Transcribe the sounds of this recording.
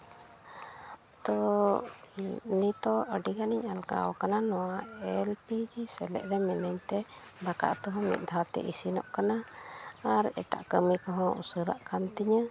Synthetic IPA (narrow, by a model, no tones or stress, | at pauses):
t̪ɔ | nit̪ɔʔəɖiɡaniɲalka̰ɔkananɔwaɛlpid͡ʒisɛlɛ̰ʔɾɛmɛnəɲt̪ɛd̪aka̰ʔt̪ɔɦɔ̃mḭt̪̚ˀd̪ʱat̪ɛ̰ʔisinɔ̰ʔkana | aɾɛ̰ʈa̰ʔkəmikɔɦɔ̃ṵsəɾa̰ʔkant̪iɲə